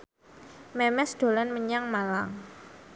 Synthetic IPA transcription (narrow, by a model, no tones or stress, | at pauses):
mɛmɛsd̪̥o̤lanməɲaŋmalaŋ